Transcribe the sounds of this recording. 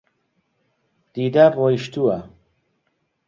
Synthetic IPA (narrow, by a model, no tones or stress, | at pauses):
d̪̥iːd̪aːboːiʃt̪uɐ